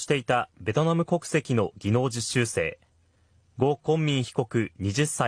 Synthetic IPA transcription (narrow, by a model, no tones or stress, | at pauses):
i̥t̪e̞it̪abe̞t̪o̞namɯ̟ko̞kɯ̟̥se̞kʲino̞ɡʲino̞ːd͡ʑiɕɨːse̞̰ː | ɡo̞ːkõ̞mːʲĩɰ̃çi̥ko̞kɯ̟ɲ̟iʑɨsːa